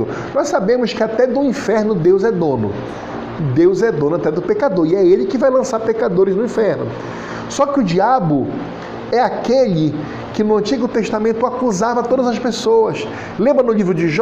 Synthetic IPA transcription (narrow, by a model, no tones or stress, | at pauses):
ʊ | nɔjsabẽmʊskɪat̪ɛd̪ʊĩfɛɾnʊd̪ewzɛd̪õnʊ̰ | d̪ewzɛd̪õnʊat̪ɛd̪ʊpekad̪oɾiɛelɪkɪvajlɐ̃saɾpekad̪oɾɪznʊĩfɛɾnʊ̰ | sɔkɪʊd͡ʒiabʊ | ɛakeʎɪ | kɪnʊɐ̃nt͡ʃiɡʊt̪eʃt̪amẽnt̪ʊakuzavɐt̪od̪ɐzɐspesoɐs | lẽmbɾɐnʊlivɾʊd͡ʒɪʒ